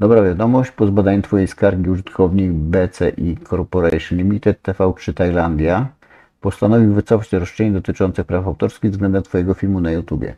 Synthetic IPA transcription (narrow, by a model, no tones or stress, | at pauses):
d̪ɔbɾavʲjad̪ɔmɔɕt͡ɕpɔzbad̪aɲɛt̪fɔjejskaɾɡʲiuʐɘt̪kʰɔvɲejbɛt̪sɛʔikʰɔɾpɔɾɛʂnʲɘmʲit̪ɛt̪ːɛfɛawt͡ʂɘt̪ajland̪ʲja | pɔst̪anɔvʲiwvɘt̪sɔfat͡ɕt̪ɾɔʂt͡ʂɛɲɛd̪ɔt̪ɘt͡ʂɔnt̪sɛpɾafawt̪ɔɾskʲiɣvzɡlɛnd̪ɛmt̪fɔjɛɡɔfʲilmunajut̪ubʲɛ̰